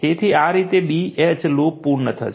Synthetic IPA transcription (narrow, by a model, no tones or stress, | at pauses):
eːt̪ʰiaːɾiːt̪eɓiːet͡ʃloːk̚puːɾnət̪ʰə̰